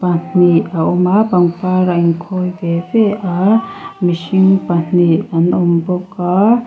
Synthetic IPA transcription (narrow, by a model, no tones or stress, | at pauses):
pan̥iaomapaŋpaɾaiŋkʰojbebeamiʃiŋpan̥ianomboka